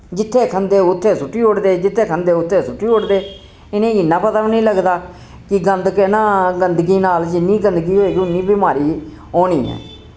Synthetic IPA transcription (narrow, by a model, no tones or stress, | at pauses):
d͡ʒɪt̪ʰːeːkʰənd̪eːʊt̪ʰːeːsʊʈːiːʊʈd̪eːd͡ʒɪt̪ʰːeːkʰənd̪eːʊt̪ʰːeːsʊʈːiːʊʈd̪eː | ɪnẽːɪnːãːpət̪aʋnĩːləɡd̪aː | kɪɡənd̪kenãːɡənd̪ɡiːnaːld͡ʒɪnːiːɡənd̪ɡiːɦoːeːɡiʊnːiːbɪmaːɾiː | oːniːɦɛ̰ː